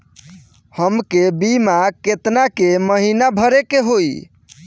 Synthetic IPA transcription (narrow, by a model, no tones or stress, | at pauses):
həmkebimaket̪nakeməɦinabʱəɾekeɦoj